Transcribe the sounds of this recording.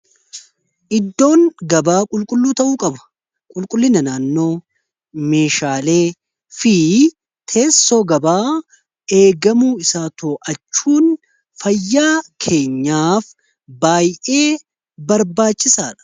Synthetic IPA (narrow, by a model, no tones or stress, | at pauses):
ʔɪd̪ːo̞ːŋɡɐbaːkʼʊlkʼʊlːuːt̪ɐʔuːkʼɐbɐ̥ | kʼʊlkʼʊlːɪnɐnaːnːo̞ː | me̞ːʃaːle̞ː | fi | t̪ʰe̞ːsːo̞ːɡɐbaː | e̞ːɡɐmuːɪsaːt̪ʰoːʔɐt͡ʃːuːn | fɐjːaːkʰe̞ːɲːaːf | baːjʔe̞ː | bɐɾbaːt͡ʃːɪsaːᶑɐ̥